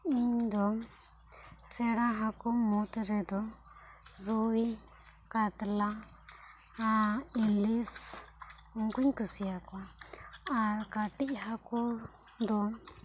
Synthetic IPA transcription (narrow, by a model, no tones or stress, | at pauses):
iɲd̪o | seɾaɦakumũt̪eɾed̪o | ɾui | kat̪la | ailis | uŋkʷiɲkusiakʷaakat̪iʔɦaku | nd̪o